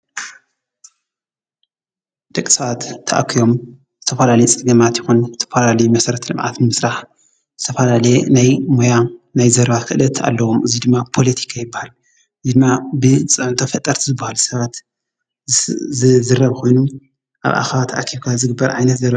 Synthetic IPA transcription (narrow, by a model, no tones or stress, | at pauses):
d̪̥ɐkʼːi̥sɐβat̪ʰːɐʔa̰kʰːijo̞m | zɨt̪ʰɐfɐlalɐjit͡sʼɨɡɐmat̪jɪxunzɨt̪ʰɐfɐlalɐjumɐsɐɾɐt̪lɨmʕa̰t̪nmɨsɾaħ | z̥ɨt̪ʰɐfɐlalɐjenajmojanajzɐɾβakʰɨʔɨlɐt̪ʰa̰lːɐwomʔɨzid̪ɨmːapʰo̞lɐt̪ʰi̥kʰajɪbːahal | ɨzid̪ɨmːabɨt͡sʼɨʕnt̪ʰɐfɐt̪ʼːɐɾt̪ʰizɨbːahalsɐβat̪ | zɨɾɐβkʰo̞jnu | ʔa̰βʔa̰xɐβat̪ʰɐʔakʰiβkʰazɨɡɨbːɐɾʕa̰jnɐt̪zɐɾa